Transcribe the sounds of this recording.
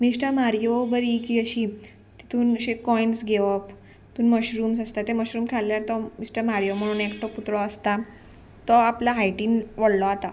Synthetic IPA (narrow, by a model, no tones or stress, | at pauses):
misʈəɾmaɾjobəɾikiːəɕiː | t̪it̪ʰuːnɕekɔjnsɡʱeʋəp | t̪uːnməɕɾuːmsəst̪at̪eməɕɾuːmkʰaljaɾt̪ɔmisʈəɾmaɾjom̤əɽ̃uːnekʈɔput̪ɭɔəst̪a | t̪ɔaplaɦajʈiːnʋəɽlɔat̪a̰